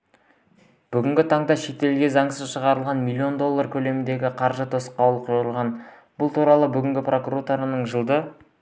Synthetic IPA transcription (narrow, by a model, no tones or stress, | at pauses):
b̥ʏɡʲɪŋɡʲɪt̪ʰɑɴd̪ɑʃe̞t̪e̞lɡʲe̞zɑɴsəzʃəʁɑɾəlˠʁɑnmijlʲːio̞nd̪o̞lˠːaɾkʲʰɵle̞mɪnd̪e̞ɡʲɪqʰɑɾʒət̪ʰosə̥qːɑwlˠəqoəlˠʁɑn | b̥ʊlˠt̪ʰuɾɑlˠəbʏɡʲɪŋɡʲɪpro̞kuɾot̪oɾanəɴʒəlˠd̪ə